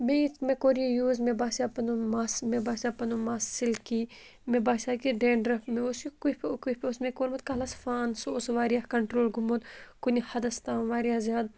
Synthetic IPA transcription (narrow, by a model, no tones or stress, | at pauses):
mẽt̪mẽkoːɾijejuːzmebaːsapɐnumaːsmebaːsʲapɐnumaːsilkiː | mebaːsʲaːkiɖeːɳɖɾɐpmẽʊskupkupʲʊsmẽkoːɾmɐt̪kalɐsfaːnsoːsʋaːɾijaːkɐɳʈɾoːlɡumoːt̪kunihɐd̪ɐst̪ãːʋaːɾijaːzjaːd̪